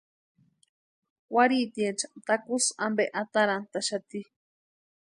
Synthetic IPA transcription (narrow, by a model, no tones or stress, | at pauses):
waɾit̪iet͡ʃḁt̪akusambeʔat̪aɾant̪aʃat̪i